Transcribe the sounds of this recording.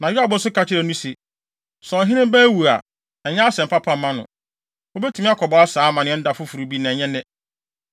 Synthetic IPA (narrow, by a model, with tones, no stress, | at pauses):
nã˨jɪ˦a˨bʊ˦sʊ˦kʰa˦t͡ɕʰɪ˦ɾɛ˨nũ˦se˨ | sɔ̃˨ɦɪ̃˦nɪ̃˦m˦bæː˦wu˨a̰˨ | ɛ˨ɲɛ̃˦a˦sɛ̃˨m̩˨pʰa˦pʰã˦mːã˦nʊ̰̃˨ | o˦be˦tʰũ˨˦mĩ˦a˦kʰɔ˨bɔ˨a˦saː˨˦˨mã˨nɪ̃˦n̩˦da˨fʊ˦fu˨ɾu˨bi˦nã˨ɲɛ̃˦nɪ̃˦